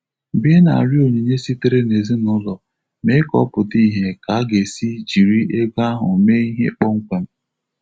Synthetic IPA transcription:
bi˦e˦na˨a˨ɾi˦o˨ɲe˨ɲe˦si˦te˦ɾe˦ne˨zi˦nʊ˦lɔ˨ | me˦kɔ̰˦pʊ˨ti˦˨ɦe˨ka˨a˦ɡe˨si˦d͡ʒi˨ɾi˦e˦ɡa˦ɦʊ̰˨me˦i˦ɦḛ˦k͡pɔ˦ŋ̩˦kʷe˨m̩˦

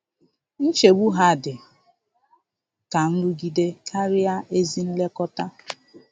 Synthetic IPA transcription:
n̩˦t͡ʃe˨ɡ͡bu˦ɦa˦˨dɪ˨ | ka˨n̩˦ɾu˦ɡi˦de˦kʰa˦ɾɪ˦a˦e˦zi˦n̩˦le˦kɔ˦ta˦

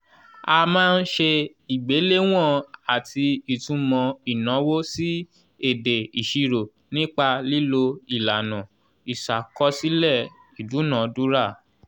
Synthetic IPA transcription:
a˧mãː˦n̩˦ʃe˧ | i˨ɡ͡be˨˦le˦w̃ɔ̃˦˨a˨tʰi˧i˨tũ˨˧˦mɔ̃˧i˨nã˨˦wo˦si˦ | e˦˨de˨i˨ʃi˧ɾo˨ | nĩ˦k͡pa˧li˦lo˧i˨la˨nã˨ | i˨ʃa˨kɔ˦si˦lɛ˦˨ | i˨du˨˦nã˨du˦ɾa˦˨

